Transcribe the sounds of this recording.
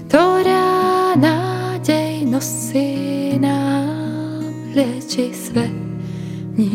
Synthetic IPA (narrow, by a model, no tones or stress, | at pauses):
t̪oɾanad͡ʑʲejnos | ɪna | ɾɛt͡ɕisvɛ | ɲi